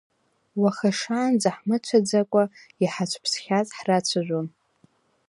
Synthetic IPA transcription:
waχaʂaːnd͡zaħmɨt͡ʃʷʰad͡zakʷʼa | iħat͡ʃʷʰpʰsχʲat͡sʼħrat͡ɕʷʰaʒʷon

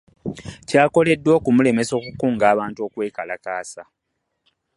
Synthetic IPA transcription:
caːko̞le̞dːwoːkumule̞me̞so̞ːkukuːŋɡaːβaːntuo̞ːkwe̞ːkalakaːsa

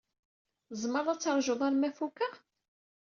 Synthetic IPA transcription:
zˤməɾˤæt͡sːəɾˤʒʊðˤaɾmæfukæ

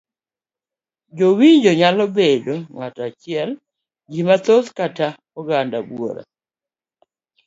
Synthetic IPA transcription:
d͡ʒowiɲd͡ʒoɲalɔbedoŋatat͡ʃɪɛl | d͡ʒimat̪ozkata | ɔɡandabwo̰ɾa̰

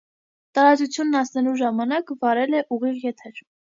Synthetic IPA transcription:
t̪ɑɾɑt͡sut͡sʰjunːɑsnɛluʒɑmɑnɑkvɑɾɛlɛʔuʁiʁjɛt̪ʰɛɾ

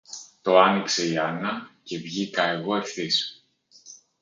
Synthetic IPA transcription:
t̪o̞ɐnikse̞iɐnɐce̞vʝikɐe̞ɣo̞e̞fθis

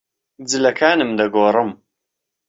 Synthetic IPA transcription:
d͡zɨlɐkʰaːnɨmd̪ɐɡoːrˤəm

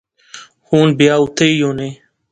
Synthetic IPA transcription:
huːnbjaːut̪eijoːneː

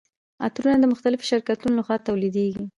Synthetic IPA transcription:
a̰t̪ɾunad̪əmʊxt̪alɪfo̥ʃɪɾkat̪unolaxwɑt̪awlid̪eɡi

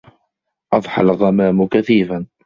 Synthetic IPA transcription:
ʔɑðˤħa̰lɣamaːmʊkaθiːfan

